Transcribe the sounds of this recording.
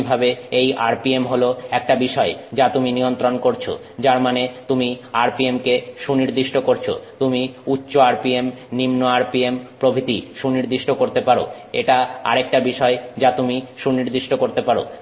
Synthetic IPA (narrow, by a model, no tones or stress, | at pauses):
bʱabeeja̰ɾpiemɦoloɛk̚ʈabiʃɔed͡ʑat̪uminijont̪ɾonkoɾt͡ɕʰo̰ | d͡ʑaɾmanet̪umiaɾpiemkeʃuniɾd̪iʃʈokoɾt͡ɕʰo̰t̪umiutːɕoaɾpiemnimnoaɾpiempɾobʱit̪iʃuniɾd̪iʃʈokoɾt̪epaɾo̰ | ḛʈaa̰ɾek̚ʈabiʃɔed͡ʑat̪umiʃuniɾd̪iʃʈokoɾt̪epaɾo̰